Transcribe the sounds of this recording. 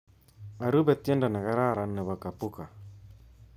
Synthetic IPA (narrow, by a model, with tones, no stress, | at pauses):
a˨ɾu˦bɛ˨tjɛ˦nda˨na˨ɣa˦ɾa˦˨ɾa˨nːɛ˨βa˨ka˨pu˦ka˨